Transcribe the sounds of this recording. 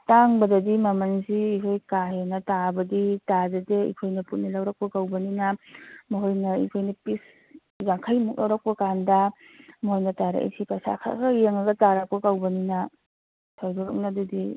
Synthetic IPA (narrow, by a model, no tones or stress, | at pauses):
taŋbɐdɐdimɐmɐnsiːkʰojkaɦenɐtabɐditazɐdeḭkʰojnɐput̚nɐlawɾɐk̚pɐkawbɐninamɔɦojnɐḭkʰojnɐpis | zaŋkʰajmuk̚lawɾɐk̚pɐkandɐ | mɔɦojnɐtaɾa̰ʔḛsʰipasa̰kʰa̰ɡɐjeŋɐɡɐtaɾɐk̚pɐkawbɐnina | sawduɾɐ̰k̚nadɐdi